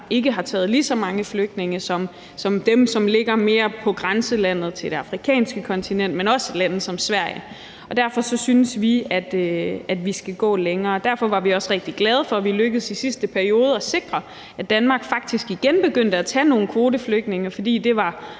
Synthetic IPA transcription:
ʔe̝ɡ̥əɦɑ̈t͡sʰɛ̰ːð̞̩ˠliːsɒ̽mɑ̈ŋəfløɡ̥̚d̥ne̝ŋɐsɒ̽m | sɒ̽md̥emsɒ̽mle̝ɡ̥ɐme̝ːɐpʰɒ̽ɡ̥ʁansəlæn̰ð̞̩ˠt͡sʰe̝ld̥e̝ɑ̈fʁikʰɛ̰ːnsɡ̥əkʰɒ̽nt͡sʰinen̰d̥menɒ̽səlæn̰ð̩ˠsɒ̽msʋæɐ̰jə | ɒ̽d̥æɐfɒ̽sɒ̽synəsʋiæd̥æd̥ʋisɡ̥æɡ̥ɔ̰̽ːleŋɐːd̥æɐfɒ̽ʋɑ̈ʋiɒ̽sʁeɡ̥̚d̥iɡ̥lɛːð̞ˠəfɒ̽ʋiløɡ̥əð̞̩ˠsisisd̥əpʰæɐio̝ːð̞ˠɒ̽se̝ɡ̥ʁɐ | æd̥ænmɑ̈ɡ̥fɑ̈ɡ̥̚d̥isɡ̥iɡ̥enb̥e̝ɡ̥øn̰d̥əæt͡sʰæ̰no̝ːn̩kʰʋo̝ːdəfløɡ̥d̥ne̝ŋɐfɒ̽d̥ḭːd̥e̝ʋɑ̈

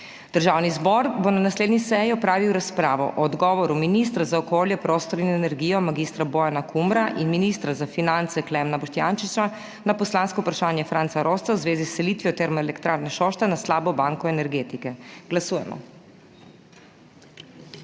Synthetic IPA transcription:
d̪̥əɾʒaːwnizbɔɾbonanasleːd̪nisɛjiɔpɾaːʋiwɾaspɾaːʋɔ̰ʔɔd̪ɡɔːʋɔɾuminist̪ɾazaɔkoljɛpɾost̪ɔɾinɛnɛɾɡijɔmaɡist̪ɾabɔjanakʰumɾaʔinminist̪ɾazafinant̪sɛklɛmnabɔʃt̪janʃit͡ʃa | napɔslanskɔupɾaʃaːnjɛfɾaːnt̪saɾost̪awzʋeːzisːɛliːt̪ʋjɔt̪ɛɾmeɛlɛkt̪ɾaːɾnɛʃoʃt̪ɛnaslaːbɔbaŋkɔeɛnɛɾɡeːt̪ikɛɡ̥lasuːjɛmɔ̰

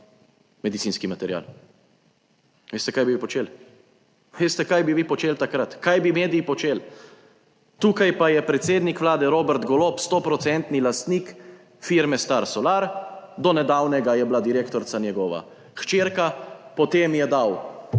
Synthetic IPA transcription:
mɛd̪it̪siːnskimat̪ɛɾja̰l | ʋeːst̪ɛkajbiʋipɔt͡ʃeːl | ʋeːst̪ɛkajbiʋiːpɔt͡ʃeːlt̪akɾat̪kajbimeːd̪ijːpɔt͡ʃeːl | t̪uːkajpajɛpɾɛt̪seːd̪nikʋlaːd̪ɛɾoːbɛɾt̪ɡɔlopst̪ɔpɾɔt̪sɛnt̪nilast̪niːk | fiɾmɛst̪aɾsɔlaɾd̪ɔnɛd̪awnɛɡajɛblad̪iɾeːkt̪ɔɾt̪sanjɛɡɔːʋa̰ | xt͡ʃeːɾkapɔt̪eːmjɛd̪aw

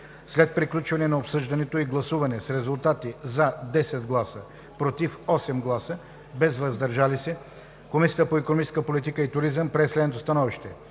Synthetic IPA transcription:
slɛt̪̚pɾiklʲut͡ʃvɐnɛnɐopsɤʒd̪ɐnɛt̪oiɡlˠɐsuvɐnɛsɾɛzulˠt̪at̪izɐd̪ɛsɛd̪ɡlˠasə | pɾot̪ifɔsɛmɡlˠasə | bɛzvɐzd̪ɐɾʒalisɛ | komisiət̪əpoikonomit͡ʃɛ̥skəpolit̪ikəit̪ʊɾizəmpɾɛslɛd̪not̪ost̪ɐnɔviʃt̪ɛ

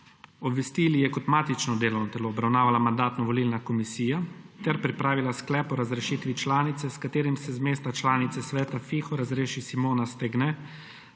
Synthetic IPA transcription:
ɔbʋɛst̪iːlijɛkɔt̪maːt̪it͡ʃnɔd̪eːlɐwnɔt̪ɛloːbɾawnaːʋalamand̪aːt̪nɔʋɔliːlnakɔmisiːjat̪ɛɾpɾipɾaːʋilasklɛːpɔɾazɾɛʃiːt̪ʋit͡ʃlaːnit̪sɛskat̪eːɾimsɛzmeːst̪at͡ʃlaːnit̪sɛsʋɛːt̪afiːxɔɾazɾeːʃisimoːnast̪ɛɡnɛ

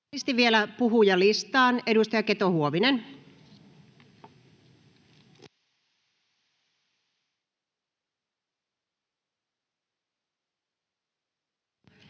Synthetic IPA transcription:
ist̪iʋʋielæpuɦujɑlist̪ˑɑːnedust̪ɑjɑket̪ohuoʋinen

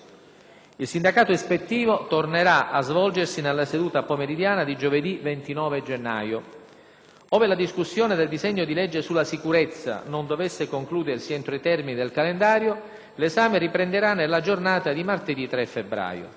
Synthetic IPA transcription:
ilsind̪akaːt̪oespet̪ːiːvot̪orneɾaazvɔld͡ʒersinelːased̪uːt̪apomeɾid̪jaːnad̪id͡ʒoved̪ivent̪inɔːved͡ʒenːa̰ːjo | ɔːvelad̪iskusːjoːned̪eld̪izɛɲːod̪ilɛd͡ʒːesulːasikuɾet̪sːa̰nond̪ovesːekoŋkluːd̪ersiɛnt̪ɾoit̪ɛrminid̪elkalend̪aːɾjo | lezaːmeɾipɾend̪eɾanːelːad͡ʒornaːt̪ad̪imart̪ed̪it̪ɾɛfːebɾa̰ːjo̰

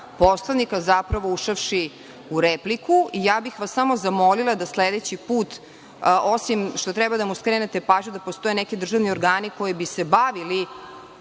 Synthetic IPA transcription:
poslˠanikazapɾaʋouʃafʃi | uɾeplikʰuʔijaːbixʋasamozamo̞lilˠad̪asled̪et͡ɕipuːt̪ | osimʃt̪o̞t̪ɾɛbad̪amuskɾeːnet̪e̞paːʒɲud̪apost̪o̞jenɛkid̪ɾr̩ʒaʋnioɾɡaːniko̞jibisebaʋili

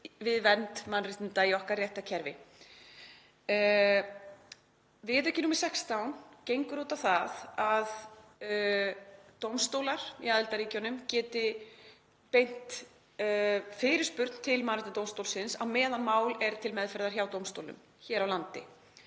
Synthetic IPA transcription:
vɪðvɛnt̪manrɪht̪ɪnt̪aiɔhkaɾrːjɛht̪acʰɛɾvɪ̰ | vɪðɛhcɪnuːmɪ̥sɛkst̪awncejŋkʏɾuːt̪awθaðað | t̪owmst̪oːwlaɾ̥ḭaːðɪlt̪aɾiːcanʏmcɛːt̪ɪ | pejn̥t̪ | fɪɾɪ̥spʏɾt̪n̥t̪ʰɪlmanrɪt̪at̪owmst̪owlsɪnsaðmɛːðanmaːwlɛɾt̪ʰɪlmɛðfɛɾðaɾ̥çaːwt̪owmst̪owlʏ̰m | çɛːɾawlant̪ɪ̰

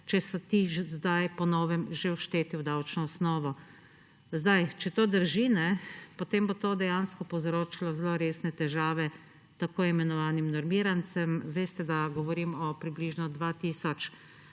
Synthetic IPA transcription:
t͡ʃɛsɔt̪izd̪ajpɔnɔːʋɛmʒewʃt̪eːt̪iwd̪awt͡ʃnɔɔsnɔːʋɔ | zd̪ajt͡ʃɛt̪oːd̪əɾʒinɛpot̪eːmbot̪oːd̪ɛjanskɔpɔwzɾoːt͡ʃilɔzloɾeːsnɛt̪ɛʒaːʋɛ | t̪akoːimɛnɔʋaːnimnɔɾmiːɾant̪t͡ssɛmʋeːst̪ɛd̪aɡɔʋɔɾimɔpɾibliːʒnɔd̪ʋaːt̪iːsɔt͡ʃ

